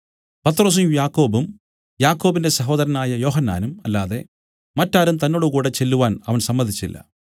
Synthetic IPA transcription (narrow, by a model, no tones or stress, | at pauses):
pɐt̪ɾo̞ːs̬ujumjaːkːo̞ːbum | jaːkːo̞ːbinde̞sɐɦo̞ːðɐɾɐnaːjɐjo̞ːɦɐnːaːnumɐlːaːðe̞̰ | mɐtːaːɾumt̪ɐnːoːɽukuːɽe̞t͡ɕe̞lːuʋaːnɐʋɐnsɐmːɐnd̪ʱit͡ɕːilːɐ̰